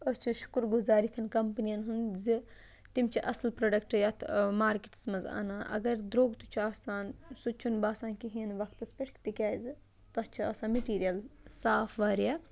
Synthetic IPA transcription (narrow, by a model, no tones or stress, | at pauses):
ɐst͡ʃʰuʃu̥kɾɡuzaːɾit̪ʰɐnkɐmpnijɐnɦunzɨ | t̪imt͡ʃʰiʔɐsɐlpɾoːɖɐkʈjat̪ʰmaːɾkiʈsmɐza̰ːnaːʔɐ̰ɡɐɾd̪ɾoːɡt̪ut͡ʃʰuaːsaːnsut͡ʃʰunbaːsaːnkiɦiɐnʋɐkʰt̪ɐspeʈʰkʰt̪ikʲaːzɨ | t̪ɐst͡ʃʰiɐːsãːmeʈiːɾijɐlsaːpʰʋɐːɾja